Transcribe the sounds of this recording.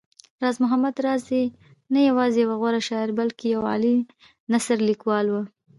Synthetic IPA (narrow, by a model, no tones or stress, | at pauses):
ɾɑzmʊɦamad̪ɾɑzi | najawɑzejawaɣwaɾaʃɑɪɾbalkejawɑ̰li | nasaɾlikwɑlwə